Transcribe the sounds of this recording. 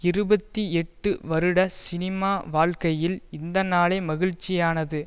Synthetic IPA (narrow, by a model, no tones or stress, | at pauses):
ɪɾɯbɐt̪ːiɛʈːɯʋɐɾɯɽɐsɪnɪmaːʋaːɭkɐjɪlɪnd̪ɐnːaːleːmɐɣɪɻt͡ʃːɪjaːnɐðɯ